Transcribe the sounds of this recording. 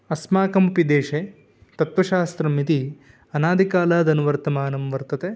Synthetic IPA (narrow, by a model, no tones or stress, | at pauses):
ɐsmaːkɐmupid̪eːʃe | t̪ɐt̪ʋɐʃaːst̪ɾɐmːit̪i | ɐnaːd̪ʱikaːlaːd̪ɐnuʋɐɾt̪ɐmaːnɐmʋɐɾt̪ɐt̪e